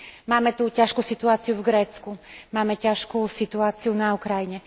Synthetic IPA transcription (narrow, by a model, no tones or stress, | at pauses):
maːmɛt̪ucaʃkusit̪uaːt͡siuvɡɾɛːt͡skumaːmɛcaʃkusit̪uaːt͡siunaukɾajiɲɛ